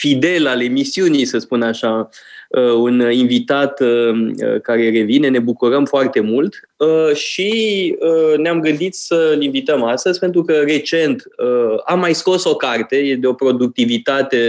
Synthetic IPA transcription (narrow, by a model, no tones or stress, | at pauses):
fid̪e̞lale̞misiunijsəspunaʃaəuninvit̪at̪əə̰kaɾe̞re̞vine̞ne̞bukuɾəmfoart̪e̞mult̪ | əʃiəneamɡɨnd̪it̪səlinvit̪əmast̪əzʲpe̞nt̪ɾukəre̞t͡ʃe̞nt̪əamːajsko̞so̞kart̪e̞jed̪eo̞pɾo̞d̪uk̚t̪ivit̪at̪e̞